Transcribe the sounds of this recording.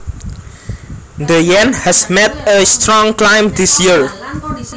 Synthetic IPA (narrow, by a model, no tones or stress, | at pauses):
d̪əjɛ̃nhɛsmɛt̪̚əst̪ɾɔ̃ŋklãjmd̪isjiɹ